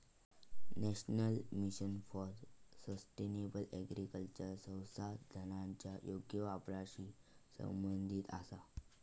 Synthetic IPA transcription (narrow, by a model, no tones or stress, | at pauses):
nɛɕnəlmiɕənfɔɾsəsʈenebəlɛɡɾikəlt͡ɕəɾsə̃wsad̪ʱənãɲt͡ɕjajoɡjəʋapɾaɕiː | sə̰̃mbənd̪ʱiːt̪a̰sa